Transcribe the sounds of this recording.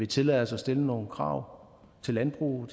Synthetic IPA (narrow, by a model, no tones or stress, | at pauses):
ʋe̝t͡sʰe̝lɛ̰ðˠɐsɒ̽sd̥e̝ləno̝ːn̩kʰʁɑ̰̈ʊ̰ | t͡sʰe̝lænb̥ʁṵːð̩ˠ